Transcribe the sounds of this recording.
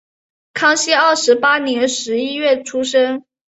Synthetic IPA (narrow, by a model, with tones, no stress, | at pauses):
kʰɑ˥ŋɕɛ˥ɑ˥˩ʊʂɻ̩˧˥pa˥njɛ˧˥nʂɻ̩˧˥i˥ɥɛ˥˩ʈ͡ʂʰu˥ʂɤ˥ŋ